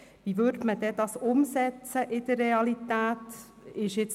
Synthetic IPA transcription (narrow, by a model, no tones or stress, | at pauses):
ʋiːʋʏɾdməd̥ɛd̥ɑsʊmsɛt͡səʔɪd̥ərʁeɑlit̪ɛːt | ɪʃɪt͡s